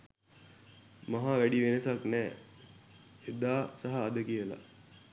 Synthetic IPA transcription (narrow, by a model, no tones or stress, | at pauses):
maɦaʋæɖiʋenəsaknɛː | ed̪aːsaɦaːd̪əkijəla̰